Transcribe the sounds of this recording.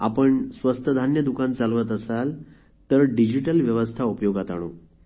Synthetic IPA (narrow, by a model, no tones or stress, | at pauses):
a̰pəɳsʋəst̪ʰəd̪ʱanjəd̪ukãnt͡salʋət̪̬əsal | t̪əɾɖid͡ʑiʈəlʋjəʋəst̪ʰaupəjoɡat̪a̰ɽ̃o̰